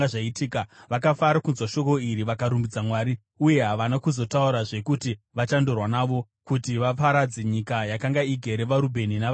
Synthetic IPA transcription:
aʐaitiːkaʋakafaɾakunzwaʃo̞ko̞iɾiʋakaɾumbid͡zamwaːɾi | uje̞ɦaʋanakuzo̞tauɾaʐe̞kuti | ʋat͡ʃandorwanaʋo̞ | kutiʋapaɾad͡zeɲikajakaŋɡaiɡʱe̞ɾeʋaɾubʱe̞ninaʋ

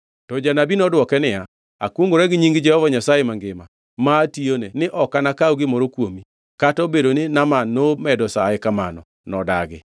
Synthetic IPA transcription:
tɔd͡ʒanabinɔdwɔkɛnɪa | a̰kwoŋɡoɾɛɡɪɲiŋɡɪd͡ʒɛhɔvaɲasajemaŋɡɪma | mationenɪʔɔkanakaoɡɪmɔɾokwomi | katɔbedonɪnamanomɛdɔsaekamanɔ̰ | nɔdaɡɪ̰

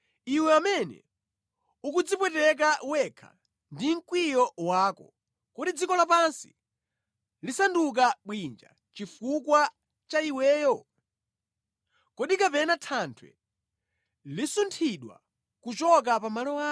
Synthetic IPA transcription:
iwɛamɛnɛ̰ | ukud͡zipwɛtɛk̬awɛkʰḁ̰ | ndiŋ̩kwijɔwaːkɔ | kɔɗid͡zikɔlapansi̥ | lisanduk̬aɓwind͡ʒa̰ | t͡ʃifukwa | t͡ʃaiwɛːjɔ | kɔɗikapɛnatʰantʰwɛ̰ | lisuntʰiɗwa̰ | kut͡ʃɔk̬apamalɔwaː

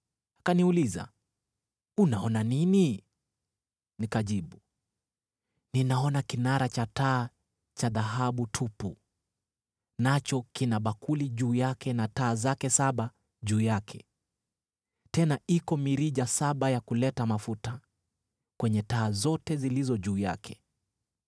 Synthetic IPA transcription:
akaniuliza̰ | unaɔnanini | nikaʄiɓu | ninaɔnakinaɾat͡ʃataː | t͡ʃaðaɦaɓutʰupu | nat͡ʃɔkinaɓakuliʄuːjakɛnataːzakɛsaɓa | ʄuːjakʰɛ | tɛnaikɔmiɾiʄasaɓajakulɛtamafuta | kwɛɲɛtaːzɔtɛzilizɔʄuːja̰kʰɛ̥

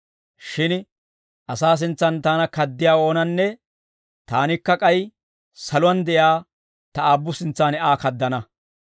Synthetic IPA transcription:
ʃɪn | ʔɐsaːs̬ɪnt͡sːɐnt̪aːnɐkɐd̪ːɪjaːo̞ːnɐnːɛ | t̪aːnɪkːɐkʼɐj | sɐlʊwɐnd̪ɛʔjaː | t̪ɐaːbːʊsɪnt͡sːaːnɛʔaːkɐd̪ːɐnɐ

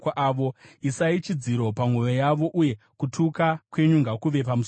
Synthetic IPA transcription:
aʋo̞isait͡ʃid͡ziɾo̞paŋ̤wujojaʋo̞ʔuje̞ | kutʰukakwe̞ɲuŋɡakuʋe̞pamuso

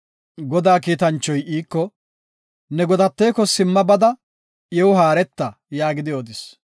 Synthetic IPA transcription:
ɡɔd̪aːkiːt̪ɐnt͡ʃːɔjʔiːkːɔ | nɛɡɔd̪ɐt̪ːeːkːɔsɪmːɐbɐd̪ɐ | jɛwʊɦaːɾɛt̪ːɐ | jaːɡɪd̪ɪjoːd̪ɪs

